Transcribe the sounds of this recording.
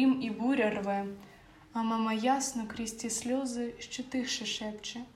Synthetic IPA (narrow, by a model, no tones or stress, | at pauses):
imibuɾʲɐrvɛ | ɐmamɐjasnɔkɾʲɪsʲtʲisʲlʲɔzɨʃʲt͡ʃɪt̪ɨxʂɨʂɛpt͡ʃɪ